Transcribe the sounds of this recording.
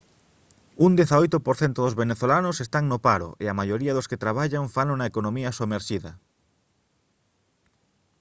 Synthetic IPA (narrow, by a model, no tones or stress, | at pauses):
und̪eθaojt̪opoɾθent̪oðozβeneθolanosest̪aŋnopaɾo̰ʔeamaʎoɾiɐaðosket̪ɾaβ̞aʎaɱfalonaekonõmiɐsomeɾʃiðɐ